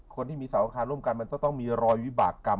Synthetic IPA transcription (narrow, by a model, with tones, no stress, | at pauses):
kʰo˧nt̪iː˥˩miː˧saː˩˦wʔa˧kʰaː˧nɾu˥˩əmka˧nma˧nt̪ɔ˥˩ŋt̪ɔ˥˩ŋmiː˧ɾɔː˧jwi˦˥ba̰ː˨˩kːa˧m